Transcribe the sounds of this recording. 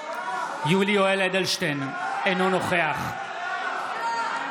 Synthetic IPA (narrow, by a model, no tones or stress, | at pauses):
julioeled̪elʃten | enono̞χe̞aχ